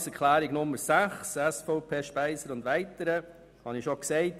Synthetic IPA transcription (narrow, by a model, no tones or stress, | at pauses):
sɛɾkʰlæːɾɪɡnʊmːəɾsæχsɛsfoʊpʰeːʃpæɪsəɾʊndʋæɪtəɾə | hɑnɪʃoksɛɪt